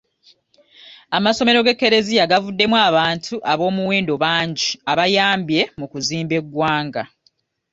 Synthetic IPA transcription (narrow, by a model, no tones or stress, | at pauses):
amaso̞me̞ɾo̞ɡe̞kːe̞ɾe̞zijaɡavudːe̞mwaːβaːntʰuʔaβo̞ːmuweːndo̞βaːɲɟiaβajaːmbje̞mukuziːmbe̞ɡwaːŋɡa